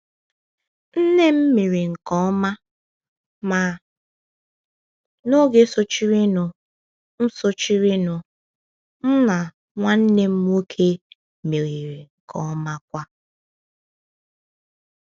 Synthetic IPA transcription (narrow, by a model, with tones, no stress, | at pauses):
n̩˦ne˦m̩˦mi˨ɾi˨ŋ̩˨kɔ˦ma˦ | ma˨ | no˦ɡe˦so˦t͡ʃi˦ɾi˦nʊ˨ | n̩˦so˦t͡ʃi˦ɾi˦nʊ˨ | n̩˦na˨ | ŋʷa˦n̩˦ne˦m̩˦m˦o˦kʰe˦ | mi˨ɾi˨ɾi˨ŋ̩˨kʰɔ˦ma˦k̚ʷa˦